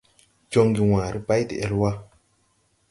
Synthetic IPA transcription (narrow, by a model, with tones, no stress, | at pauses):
d͡ʒo˦ŋɡi˨wãː˨ɾi˦ba˦jdḭ˨ʔɛ˨lwa˦